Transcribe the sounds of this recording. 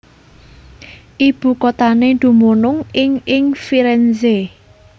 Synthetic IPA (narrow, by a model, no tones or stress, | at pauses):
ʔib̥ṳkot̪anend̪̥ṳmonʊŋɪŋɪŋfiɾɛnze